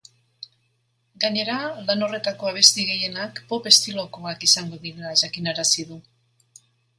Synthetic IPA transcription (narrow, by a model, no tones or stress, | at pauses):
ɡaɲe̞ɾalano̞re̞t̪ako̞aβ̞e̞st̪iɣe̞je̞nakpo̞pe̞st̪ilo̞ko̞akisaŋɡo̞ðinaʝakinaɾasiðu